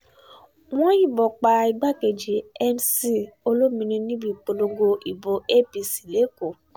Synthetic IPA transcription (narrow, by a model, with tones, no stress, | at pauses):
w̃ɔ̃˦jĩ˦˨bɔ˨k͡pa˧i˧ɡ͡ba˦ke˨d͡ʒi˨ɛ˧nsi˦˨o˧lo˦mĩ˧ɾ̃ĩ˧nĩ˦bi˦˨k͡po˧lo˧ɡo˧i˨bo˨e˦˨pi˧si˨le˨˦ko˨